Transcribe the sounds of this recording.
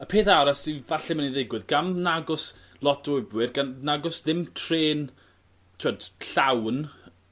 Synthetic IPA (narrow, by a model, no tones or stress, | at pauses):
əpʰeːθaɾasivaɬɛmaniðɪɡwɪðɡamnaɡʊs | lˠɔtdʊjbwɪrɡannaɡʊsðɪmtʰreːn | tʰuad̥ɬawn